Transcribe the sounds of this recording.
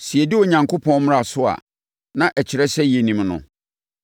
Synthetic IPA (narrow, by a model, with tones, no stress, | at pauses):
sɪ˨ɛ˨dɪ˦o˨ɲã˨ŋkʰo˦pʰɔ̃˦nm̃˦a˨sʊ˦a̰˨ | nã˨ʔæ˨t͡ɕʰɪ˨ɾɛ˦sɛ˦je˨nĩ˨mnʊ̰̃˨